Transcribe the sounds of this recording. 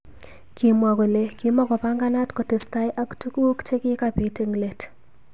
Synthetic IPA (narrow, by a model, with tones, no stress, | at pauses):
ki˨mwa˨ɡo˨le˨ki˨mɔ˦kɔ˨pa˦ŋɡa˦na˦tko˨te˨sta˦jʔa˦ktu˦kwo˦kt͡ʃe˦kɪ˦ka˨pi˨˦te˦ŋle˨t